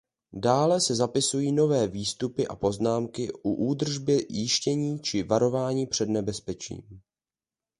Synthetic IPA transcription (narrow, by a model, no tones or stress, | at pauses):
daːlɛsɛzapɪsujiːno̞vɛːviːst̪upɪʔa̰po̞znaːmkɪʔuʔuːd̪r̩ʒbɪjɪʃcɛɲiːt͡ʃɪvaɾo̞vaːɲiːpr̥ɛdnɛbɛspɛt͡ʃḭːm